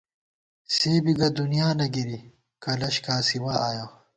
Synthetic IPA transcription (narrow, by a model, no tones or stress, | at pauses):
seːbiɡɐd̪unijaːnɐɡiɾi | kɐlɐɕkaːsiwaaːjoː